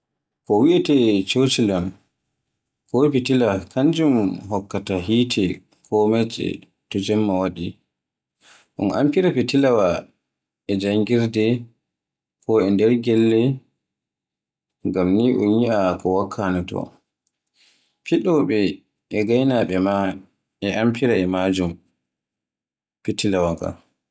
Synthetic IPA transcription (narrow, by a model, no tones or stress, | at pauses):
kɔwiʔɛtɛt͡ʃot͡ʃilɔn | kɔpitilakʰaɲd͡ʒumɦɔkːataɦiːtʰɛ | kʰɔmɛt͡ʃɛ̰ | tɔd͡ʒɛmːawaɗi | ʔṵnʔa̰mpiɾapitilawa | ɛd͡ʒajɡiɾdɛ | kʰɔɛndɛɾɡɛlːɛ | ŋɡamniʔunjiʔakɔwakʰːanatɔ̰ | piɗɔɓɛ | ʔɛɡajnaɓɛma | ɛʔampiɾaɛmad͡ʒum | pitilawaka̰